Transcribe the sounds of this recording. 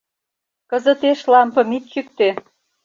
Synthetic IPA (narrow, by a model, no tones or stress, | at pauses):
kə̆zət̪eʃlɑmpɤ̆mit̪̚kyk̚t̪e